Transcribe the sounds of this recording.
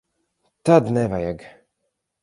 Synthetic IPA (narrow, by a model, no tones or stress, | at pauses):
t̪ad̪nɛvajaɡ